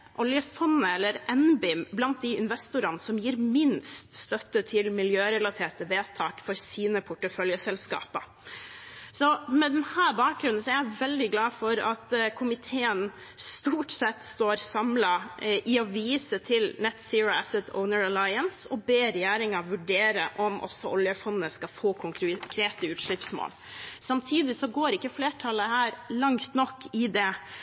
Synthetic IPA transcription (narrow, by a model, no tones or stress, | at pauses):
ʔɔljəfɔnːəɛlːəɾʔɛnbɪmblɑnt̪̚d̪ɪɪnʋɛst̪ʊɾɑnəsɔmjiːɾmɪnst̪st̪œt̪ːət̪ʰɪlmɪljøːɾɛlɑt̪ʰeːʈəʋeːt̪ʰɑːkfɔɾsiːnəpʰʊʈəfœljəsɛlskɑ̰ːpə | sɔmɛd̪ɛnhæːɾbɑːk̚ɡɾʉnənsɔæɾjæɪʋɛld̪ɪɡlɑːfɔɾɑt̪kʰʊmɪt̪ʰeːən | st̪uːʈsɛt̪ːst̪oːɾsɑmlɑʔɪɔʋiːsət̪ʰɪlnɛt̪sɪɹʊæsət̪ʰɔ̰ʊnəɹəlɑɪənsɔbeːɾɛjæːɾɪŋɑʋʉɖeːɾəʔɔmʔɔ̰sɔʔɔljəfɔnːnəskɑfoːkʰʊŋkʰɾkʰɾeːt̪əʉːt̪ʂɭɪpsmo̰ːl | sɑmt̪ʰiːd̪ɪsɔɡoːɾɪkːəfleːʈʰɑləhæːɾlɑŋt̪nɔkːɪd̪ɛ